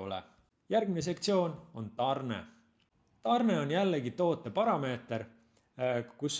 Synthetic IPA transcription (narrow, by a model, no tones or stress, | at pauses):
o̰lɛ̰ | jærɡ̥mines̬e̞kt̪sio̞ːno̞nt̪ɑrnḛ | t̪ɑrne̞o̞njælːeɡit̪o̞ːt̪ˑːe̞pɑɾɑme̞ːt̪ˑeɾ | kus